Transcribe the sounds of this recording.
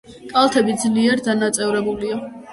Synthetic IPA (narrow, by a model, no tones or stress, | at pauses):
kʼalˠt̪ʰɛbid̪zliɛɾd̪anat̪sʼɛvɾɛbulia